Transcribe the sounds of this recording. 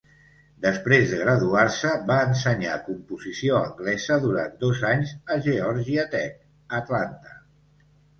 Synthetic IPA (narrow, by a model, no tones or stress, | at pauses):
d̪əspɾezðəɣɾəðuarsəβaənsəɲakumpuzisioə̰ŋɡlɛzəðuɾand̪ozaɲzəʒəɔɾʒiət̪ɛk̚ | ət̪lant̪ə̥